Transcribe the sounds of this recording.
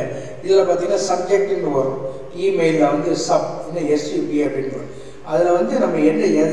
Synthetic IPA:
ɪðɪlɐpaːɾt̪̬iːŋɡɐnasɐb̚d͡ʒɛk̚ʈɪnɡɯʋɐɾʊ̃ | iːmeɪlːɐʋɐnd̪ɯsɐb̚ɛnːɐɛsjupiɐbɪɳɐ̰̃ | ɐðɪlɐʋɐnd̪ɯnɐmːɐɛnːɐɛ

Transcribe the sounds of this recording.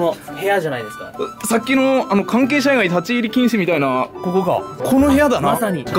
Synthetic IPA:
nohe̞jaʑanaid̪e̞sɨ̥kasakʲːino̞ano̞kãŋk̬e̞ːɕ̬aeɡait̪at͡ɕiːɾʲikʲĩɰ̃sɨmʲit̪ainakokoɡa̰kʰo̞no̞he̞jad̪anaasaɲ̟iɡ

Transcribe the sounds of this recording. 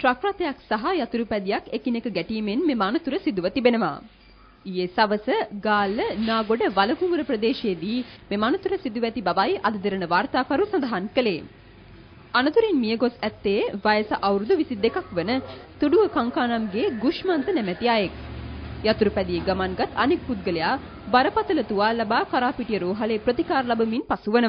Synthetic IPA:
ʈɾakɾaːt̪əjaksaɦajat̪uɾupɛd̪ijakekinekəɡæʈiːmenmemaːnɐt̪uɾəsid̪uʋət̪ibenəʋa̰ː | ijesaʋəsəɡaːlənaːɡoɖəʋaləɡuŋɡuɾəpɾəd̪eːʃejed̪iːmemaːnət̪uɾəsid̪uʋɛt̪ibaʋajʔad̪ɐd̪iɾənəʋaːrt̪aːkaɾusand̪ɐɦankəleː | anɐt̪uɾenmijəɡosæt̪ːeʋajəsaʔawɾud̪uʋisid̪ekakʋənət̪uɖuʋəkaŋkaːnamɡeːɡuʃmant̪ənɛmæt̪iajek̚jat̪uɾupɛd̪ijeɡamanɡat̪ʰanek̚put̪̚ɡəlejaː | baɾəpat̪ələt̪uʋaːlɐbaːkaɾaːpiʈijəɾoːɦaleːpɾot̪ikaːɾlabɐminpasuʋənə

